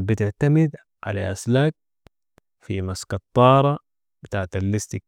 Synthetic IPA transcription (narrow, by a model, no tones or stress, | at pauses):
bɪt̪ɪʕt̪amɪd̪ | ʕa̰la̰ʔaslaːk̚ | fimaskɑt̪ˤːɑːɾˤɑ | b̥ɪt̪aːʕt̪alːist̪i